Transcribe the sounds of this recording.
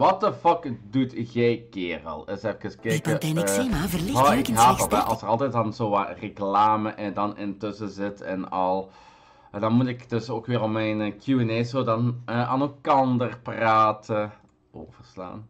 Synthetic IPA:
ʋɑt̚dəfɔkdutɣɛjkɪːrə̰lˠɪsɛfəkəskɛkətɛnvəlmɔɪkhaːɔtɛʔɑ̰lˠsərɑlˠtɛjt̚dɑnzoːʋarəklaːməʔɪdɑnɪntɵsəzɪtɛ̰nɑlˠ | ɛdɑnmutɪkdɵsoːkʋɪːrɔpmɛjnkjuɛnɛːsoːdɑnəʔa̰ːnɛlˠkɑndərpraːtə | o̰ːvərsla̰ːn

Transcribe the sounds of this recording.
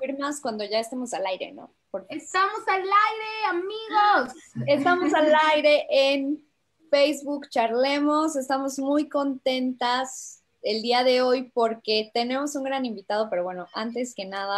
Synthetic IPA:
iɾmaskwand̪o̞ʝae̞st̪e̞mo̞salajɾḛno̞̰ | poɾest̪amosalajɾeamiɣose̞st̪amo̞s̬alajɾe̞ʔen | fejzβukt͡ʃaɾlemo̞se̞st̪amozmujko̞nt̪e̞nt̪as | e̞ld̪iaðe̞o̞jpo̞ɾke̞t̪e̞ne̞mo̞suŋɡɾanĩmbit̪aðo̞pe̞ɾo̞βwe̞no̞ʔant̪e̞ske̞naða

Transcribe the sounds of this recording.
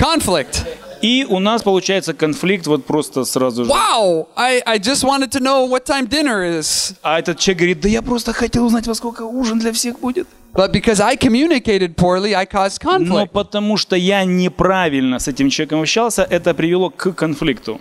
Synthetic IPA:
kʰɑ̃nɱflɪk̚tiʔʊnaspəlˠʊt͡ɕæjɪt̪səkɐnflʲik̚t̪vo̞t̪̚pɾo̞st̪əsrazʊʐwaʊaɪʔaɪd͡ʒʌst̚wɑ̃ñɨd̚tʰɨnoʊwʌtʰãɪ̃mdɪ̃nə˞ɪz̥aɛt̪ət̪̚t͡ɕːʲek̚ɡəvɾʲit̪̚d̪ɐjapɾost̪əxɐtʲelˠʊznatʲvɐsko̞lʲkəuʐɨnd̪lʲɐfsʲexbudʲɪt̪̚ | b̥ʌt̚b̥ɨkʰɔzaɪkʰɨmjʉnɪkeɪɾɨd̚pʰuɹlˠiaɪkʰɔz̥kʰɑ̃nfnloɪpət̪ɐmuʂt̪ojanʲɪpɾavʲɪlʲnəsɛtʲɪmt͡ɕʲɪlˠvʲekəmɐpɕːalˠsʲəʔɛt̪əpɾʲɪvʲɪlˠo̞kɨkɐnflʲikt̪ʊ

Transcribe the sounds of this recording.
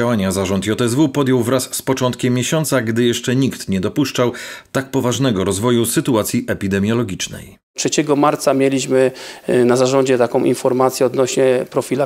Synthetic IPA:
awaɲazaʐɔnt̪jɔt̪ɛzvupɔd̪jɔwvɾasːpɔt͡ʂɔnt̪kʲɛmʲːjeɕɔnt̪saɡd̪ɘjɛʂt͡ʂɛɲikt̪ɲɛd̪ɔpuʂt͡ʂawt̪ak̚pɔvaʐnɛɡɔɾɔzvɔjusɘt̪uat̪sʲjiʔɛpʲid̪ɛmʲjɔlɔɡʲit͡ʂnɛ̰j | tʂɛt͡ɕɛɡɔmaɾt̪samʲjɛlʲiɕmɘnazaʐɔɲd͡ʑɛt̪akɔ̃w̃ʔḭnfɔɾmat̪sʲjɛɔd̪nɔɕɲɛpɾɔfʲila

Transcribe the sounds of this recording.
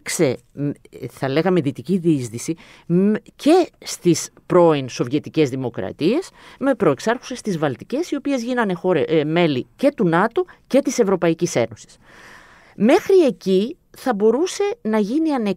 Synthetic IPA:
kse̞ | m | θɐle̞ɣɐme̞ðit̪iciðizðisi | ce̞st̪ispɾo̞inso̞vʝe̞t̪ice̞zðimo̞kɾɐ̰t̪ie̞sme̞pɾo̞eksɐɾxu̥se̞st̪izvɐlt̪ice̞sio̞pie̞zʝinɐne̞xo̞ɾeme̞lice̞t̪unɐt̪o̞ce̞t̪ise̞vɾo̞pɐicise̞̰no̞si̥s | me̞xɾie̞ci | θɐbo̞ɾuse̞nɐʝiniɐne

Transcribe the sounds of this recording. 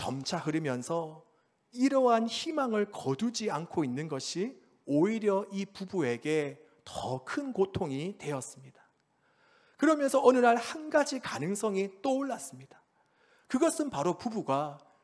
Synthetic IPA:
t͡ɕʌ̰mt͡ɕʰaɦɯɾimjʌnsʰʌ | iɾʌɦançimaŋɯɭkʌdud͡ʑiankʰoinːɯnɡʌɕʰi | oiɾjʌʔipubue̞ɡe̞ | tʌkʰɯnkotʰoŋitwe̞ʌs͈ɯmɲidḁ | kɯɾʌmjʌnsʰʌʌnɯnaɭhanɡad͡ʑikanɯŋs͈ʌŋit͈oɭːas͈ɯmɲid̥ḁ | kɯɡʌs͈ɯnpaɾopubuɡa

